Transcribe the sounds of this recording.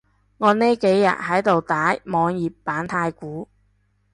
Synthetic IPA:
ŋɔː˨˧neː˥ke˨˥jːɐ̰˨t̚hɐ˨˥jt̪o˨wt̪aː˨˥jmɔː˨˧ŋjiː˨pːaː˨˥nt̪ʰaː˧jkuː˨˥

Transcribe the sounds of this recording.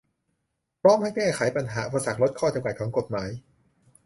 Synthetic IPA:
pʰɾɔː˥˨mha˥˩jkɛː˥˩xʰa˨˩˦jpa˧nɦaː˩˦ʔu˨pa˧sa˨˩k̚ɾo˦˥t̪̚kʰɔː˥˩t͡ɕa˧mka˨˩kʰːŋko˨˩t̪̚maː˩˦j

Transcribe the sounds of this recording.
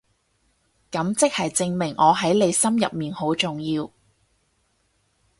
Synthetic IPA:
kɐ˨˥mt͡sɪ˥k̚hɐ˨jt͡sɪ˧ŋmɪ˨˩ŋʔɔː˨˧ɦɐ˨˥jle˨˧jsɐ˥mjɐ˨p̚miː˨nho˨˥wt͡sʊ˨˩ŋjiː˧w

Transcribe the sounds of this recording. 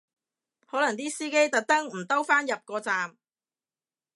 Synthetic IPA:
hɔː˨˥lɐ˨˩ŋt̪̬iː˥siː˥ke˥jt̪ɐ˨k̚t̪ɐ˥ŋm̩˨˩t̪ɐ˥wfaː˥njɐ˨p̚kɔː˧t͡saː˨m

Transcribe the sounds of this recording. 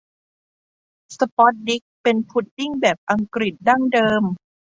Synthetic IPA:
sə˧pɔ˦˥t̪̚di˦˥k̚pe˧npʰu˦˥t̪̚ːi˥˩ŋbɛː˨˩p̚ʔa˧ŋkɾi˨˩t̪̚da˥˩ŋdɤː˧m

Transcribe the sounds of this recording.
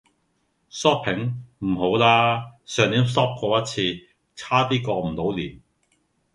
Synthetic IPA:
sɔː˥p̚pʰɪ˨˥ŋm̩˨˩ɦo˨˥wlaː˥sœː˨˧ŋiː˨˥msɔː˥p̚kɔː˧jɐ˥t̚t͡sʰiː˧ | t͡sʰaː˥t̪iː˥kɔː˧m̩˨˩t̪o˨˥wliː˨˩n

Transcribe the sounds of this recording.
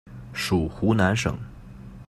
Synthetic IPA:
ʂu˨˩xu˧˥na˧˥nʂɤ̰˨˩˦ŋ

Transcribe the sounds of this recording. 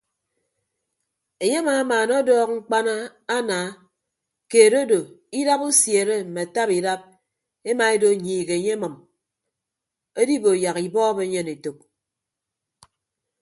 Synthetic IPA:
e˨ɲe˦a˦maː˨˦maː˨nɔ˦dɔː˦kŋ͡m̩˦k͡pa˦na˦a˦naː˨˦ | keː˨ɾo˦do˨i˦da˦pu˦sje˨ɾe˦m̩˨me˨a˨ta˦pi˨da˦p̚ | e˦ma˨e˦do˦˨ɲiː˨ɣe˨ɲe˦mɨ˨m | e˦di˦bo˨ja˨ɣi˨bɔː˦be˦ɲe˦ne˨to˨k̚

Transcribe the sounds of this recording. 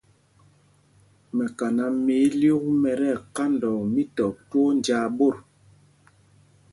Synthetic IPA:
mɛ˨ka˨na˨mi˨˦ljo˦ɣu˦mɛ˨ɾɛ˦˨ka˦ndɔ˨mi˦tɔ˨two˦nd͡ʒaː˨˦bo˦˨ɾ

